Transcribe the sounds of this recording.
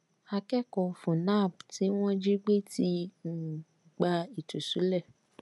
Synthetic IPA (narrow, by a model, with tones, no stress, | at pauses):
a˧kɛ˦kɔ˨fũ˨na˦˨b̚ti˨˦w̃ɔ̃˦d͡ʒi˦ɡ͡be˦ti˧n̩˦˨ | ɡ͡ba˧i˨tu˨su˨˦lɛ˦˨